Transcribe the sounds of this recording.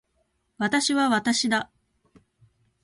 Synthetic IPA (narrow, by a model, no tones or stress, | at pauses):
βat̪aɕiβaβat̪aɕid̪a